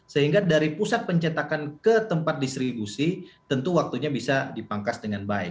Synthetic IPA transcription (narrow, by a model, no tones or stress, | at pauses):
səɦiŋɡadaɾipusat̪̚pəɲt͡ʃat̪akankət̪əmpat̪̚dist̪ɾibusit̪ənt̪uwak̚t̪uɲabisadipaŋkasdəŋanbaɪ̰k